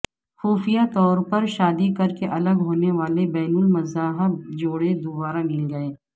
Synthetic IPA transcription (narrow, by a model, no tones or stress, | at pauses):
xuːfijat̪ɔːɾpɐɾʃaːd̪ikɐɾkeʔɐləɡɦoːneʋaːlebɛːnʊlmɐzaːɦəb̚d͡ʒoːɽed̪ʊbaːɾamɪlɡɐeː